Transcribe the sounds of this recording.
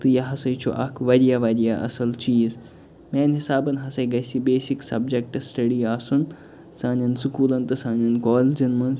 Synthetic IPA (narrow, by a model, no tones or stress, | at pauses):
t̪ɨjɐɦɐsɐjt͡ʃʰo̰ʔɐkʰʋɐɾijaʋɐɾijaʔɐ̰sɐlt͡ʃiːz | meːnɦisaːbɐnɦɐsɐjɡɐsibeːsiksɐbd͡ʒek̚ʈsʈɐɖiaːsun | sãːnɐnsukuːlɐnt̪ɨsãːnɐnkoːld͡ʒɐnmɐn